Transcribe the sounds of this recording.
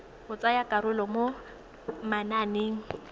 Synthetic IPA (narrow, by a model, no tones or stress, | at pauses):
hʊt͡sʼajakʼaɾʊlɔmo | mananeːŋ̩